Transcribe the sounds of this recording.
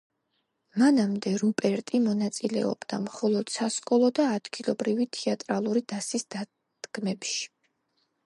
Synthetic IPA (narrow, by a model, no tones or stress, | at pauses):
manamd̪ɛɾupʼɛɾt̪ʼimɔnat̪sʼilɛɔ̰bd̪a̰mχɔlˠɔd̪̥sasqʼɔlˠɔd̪aːd̪̥ɡilˠɔbɾivit̪ʰiat̪ʼɾalˠuɾid̪asisd̪̥a | d̪̥ɡ̥mɛpʃi̥